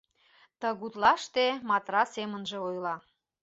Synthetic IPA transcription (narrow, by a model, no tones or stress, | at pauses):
t̪əɣut̪lɑʃt̪emɑt̪rɑsemənʒĕojlɑ